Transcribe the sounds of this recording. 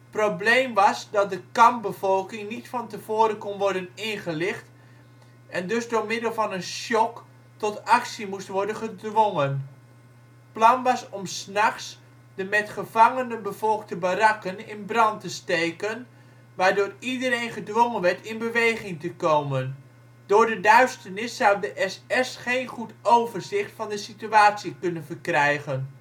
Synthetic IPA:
probleːmʋɑsdɔt̚dəkɑmp̚bəvɔlˠkɪŋnitfɔntəv̥oːɾəkɔnʋɔrdənɪnχəlɪχt | ʔɛndøsdoːrmɪdəlˠvɑnənʃɔk | tɔtaksimustʋɔɹdənχədʋoŋən | plɑnʋɑsɔmsnaχs | dəmɛtχəvɑŋənəbəvɔlˠk̚təbarɑkənɪnbrɑntəstejkən | ʋaːɹdʊːridərejnχədʋoŋənʋɛɹtɪnbəʋejχɪŋtəkowmən | dʊːɹdədœɥstərnɪsːawdəʔɛsɛsχejnχutowvərzɪχtfɑndəsityaːtsikɵnənvərkrɛjχən

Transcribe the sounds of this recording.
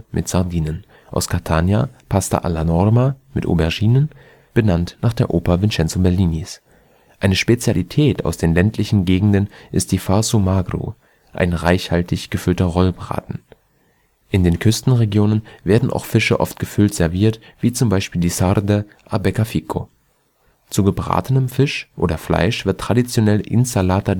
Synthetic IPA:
mʔɪtz̥aɐdiːnən | ʔa̰ʊskʰatʰaːnjapʰasta̰ʔa̰lanɔʁmamɪtʔo̰bɛɐʒiːnən | b̥ənantnaːχd̥eːɐʔoːpɐvɪnt͡ʃɛnt͡sobɛɐliːnis | ʔaɪnəʃpet͡sjalitʰɛːtʰa̰ʊsd̥eːnlɛntʰlɪçn̩ɡeːɡŋ̩dənʔɪst̚d̥iːfasumaɡʁṵ | ʔa̰ɪnʁaɪçhaltʰɪçɡ̥əfʏltɐʁɔlbʁa̰ːtn̩ | ʔɪndeːnkʰʏstn̩ʁeɡjoːnənveːɐdn̩a̰ʊxfɪʃəʔɔ̰ftɡ̥əfʏltz̥ɛɐviːɐt | v̥iːt͡sʊmbaɪʃpiːldiːsaɾdə | ʔabɛkafiːkʰo̰ | t͡suɡəbʁa̰ːtənəmfɪʃʔo̰ːɾɐfla̰ɪʃv̥ɪɐtːʁ̥adit͡sjonɛlʔɪ̰nsalaːta

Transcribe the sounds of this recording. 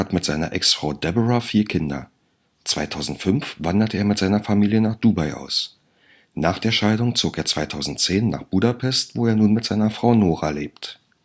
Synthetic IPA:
atmɪtz̥aɪnɐ̰ʔɛ̰ksfʁ̥aʊdɛbəʁafiːɐkʰɪndɐ̰ | t͡sv̥aɪtʰaʊzn̩tfʏnfv̥andɐtʰəeːɐmɪtz̥aɪnɐfamiːljənaːχd̥uːbaɪʔa̰ʊs | naːχd̥eːɐʃaɪdʊŋt͡soːkeːɐt͡sv̥aɪtʰaʊzn̩tt͡seːnːa̰ːχb̥uːdapʰɛstv̥oːeːɐnuːnmɪtz̥aɪnɐfʁ̥aʊnoːʁaleːp̚t

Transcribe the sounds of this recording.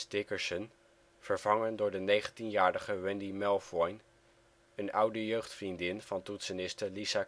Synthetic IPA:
stɪkəɹsən | v̥əɹv̥ɑŋəndʊːɹdənejχəntinjaːɹɾəχəʋɛndimɛlˠfɔjn | ənʌwdəjøɥχtfrindɪnv̥ɑntutsənɪstəɹlisa

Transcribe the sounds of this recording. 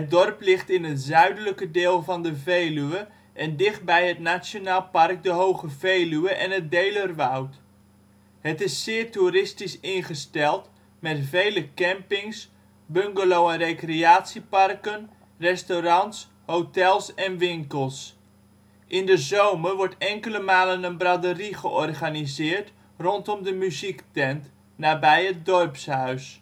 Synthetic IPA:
ət̚dɔrplɪχtɪnɦətzœɥdələkədɪːlˠvɑndəvejlyə | ʔɛndɪχt̚bɛjɦətnasjonaːlˠpɑrk̚dəɦowχəvejlyəʔɛnɦət̚dejlərʋawt | hətɪsːɪːrtuɾɪstisɪnχəstɛlˠt | mɛtvejləkɛmpɪŋs | bøŋɡəlowərejkreaːtsipɑrkən | rɛstoɾɑns | hotɛlˠsɛnʋɪŋkəlˠs | ʔɪndəzowmərʋɔɹtɛŋkələmaːlənənbradəriχəʔɔrχanizɪːrt | rɔntɔmdəmyziktɛnt | naːbɛjət̚dɔrpshœɥs

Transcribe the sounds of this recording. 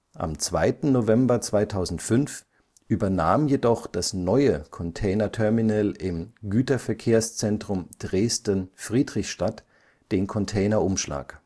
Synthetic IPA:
ʔa̰mt͡sv̥aɪtn̩novɛmbɐt͡sv̥aɪtʰaʊzn̩tfʏnf | ʔyːbɐnaːmjedɔχd̥asnɔʏəkʰɔntʰɛɪnɐtʰɛɐminɛlʔɪmɡyːtɐfɛɐkʰeːɐst͡sɛntʁ̥ʊmd̥ʁeːstənfʁ̥iːdʁɪçʃtat | d̥eːnkʰɔntʰɛɪnɐʔʊmʃla̰ːk

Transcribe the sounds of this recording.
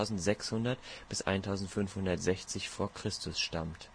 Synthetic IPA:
ʊzn̩tz̥ɛkshʊndɐtb̥ɪsʔa̰ɪntʰaʊzn̩tfʏnfhʊndɐtz̥ɛçt͡sɪçfoːɐkʁ̥ɪstʰʊsʃtamt

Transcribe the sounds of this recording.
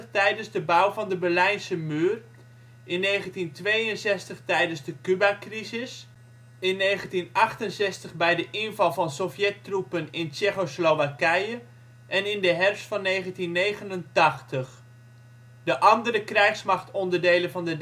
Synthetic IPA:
χtɛjdənzdəbʌwvɑndəbɛɹlɛjnsəmyːr | ʔɪnːejχəntintʋejənsɛstəχtɛjdənzdəkybakrizɪs | ɪnːejχəntinɑχtənsɛstəχbɛjdəʔɪnvɑlˠvɑnsɔfjɛtrupənɪnt͡ʃɛχosloʋakɛjə | ʔɛnɪndəɦɛrfsfɑnːejχəntinːejχənəntɑχtəχ | dəʔɑndəɾəkrɛjχsmɑχtɔndəɹdejlənvɑndəd

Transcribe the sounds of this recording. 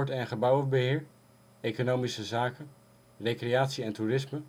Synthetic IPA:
ɹtɛnχəbʌwəbəɦɪːɹ | ejkonowmisəzaːkən | rejkreaːtsiɛnturɪsmə

